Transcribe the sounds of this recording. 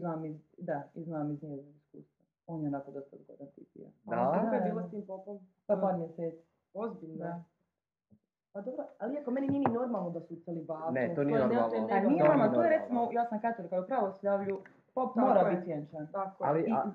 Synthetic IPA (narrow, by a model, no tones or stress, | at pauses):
znaːmizd̪aiznaːmizniezaiskṵːst̪ʋo | oːnjenat̪od̪asḛd̪ɡod̪ant̪ḭt̪ḭja̰aakojebiːlost̪iːmpopon | papaːɾmjeseːt̪si̥ | ozbiʎno | pad̪obɾoaliekomenininenoɾmalˠnod̪asuselibaːzneet̪onionoalnijeamat̪ojeɾet̪simojaːsamkat̪oɾkajoupɾaːʋosjaːʋʎu | papmoːɾait̪sijent͡ʃant̪akoai